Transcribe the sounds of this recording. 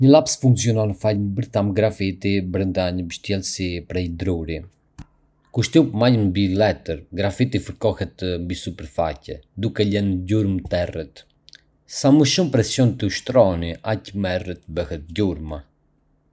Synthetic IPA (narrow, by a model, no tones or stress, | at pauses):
ɲəlapsfuŋksiɔnɔnfaʎmbəɾθamɡɾafit̪ibɾənd̪aɲəbəʃt̪jɛlsipɾɛjd̪ɾuɾi | kuʃt̪iupmalmbilɛt̪əɾɡɾafit̪ifəɾkɔhɛt̪mbisupɛɾfacɛ̰d̪ukɛlɛnəɟuɾmt̪ɛrɛt̪ | saməʃumpɾɛsjɔnt̪əuʃt̪ɾɔniʔacmɛrət̪bəhɛt̪̚ɟuɾma